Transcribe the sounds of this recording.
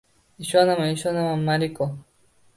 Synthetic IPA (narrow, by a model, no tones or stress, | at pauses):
iʃanamaiʃanamamaɾiko